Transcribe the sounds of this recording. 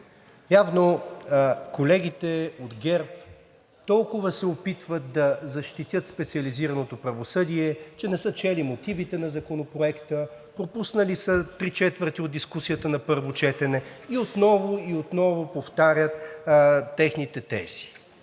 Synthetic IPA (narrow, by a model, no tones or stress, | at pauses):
javno | kolɛɡ̟it̪ɛod̪ɡʲɛɾp | t̪ɔlˠkʊvəsɛopit̪vət̪̚d̪ɐzɐʃt̪it̪ʲjət̪spɛt̪siɐliziɾɐnot̪opɾɐvosɤd̪iɛt͡ʃɛnɛsət͡ʃɛlimot̪ivit̪ɛnɐzɐkonopɾoɛkt̪ə | pɾopusnəlisət̪ɾit͡ʃɛt̪vəɾt̪iod̪d̪iskusijət̪ənɐpɤɾvot͡ʃɛt̪ɛnɛiot̪nɔvoiot̪nɔvopoft̪aɾʲət̪ː | ɛxnit̪ɛt̪ɛ̰si̥